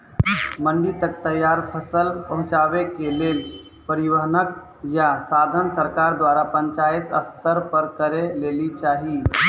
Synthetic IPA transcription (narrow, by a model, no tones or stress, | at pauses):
məɳɖit̪ək̚t̪əjːaɾpʰəsəlpəɦʊ̃t͡ʃaʋekelel | pəɾiʋəɦnək | jasad̪ʱənsəɾkaɾd̪waɾapəɲt͡ʃajt̪əst̪əɾpəɾkəɾelelit͡ʃaɦi